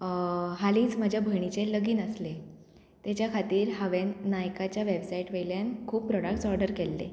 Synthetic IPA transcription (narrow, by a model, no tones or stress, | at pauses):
ɦaliːt͡sməd͡ʑʱjabʱəɳ̃it͡seləɡiːnəsle | t̪jat͡ɕjakʰat̪iːɾɦəʋenːajkat͡ɕjaʋebsaiʈʋejljankʰuːbpːɾɔɽak̚ʈsɔɾɖəɾkelːḛ